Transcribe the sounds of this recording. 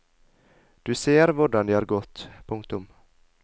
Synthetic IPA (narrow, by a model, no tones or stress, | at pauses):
d̪̥ɵseːɾvʊɖand̪ɛhaɾɡɔt̪ːpʰɵŋk̚t̪ɵm